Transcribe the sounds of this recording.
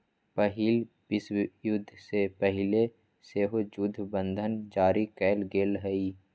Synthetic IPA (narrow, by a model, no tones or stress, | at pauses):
pəɦiːl | bɪswjʊd̪ʱːsepəɦɪle | seːɦod͡ʒʊd̪ʱːbə̃nd̪ʱənd͡ʒaːɾikɛːlɡeːlɦɛi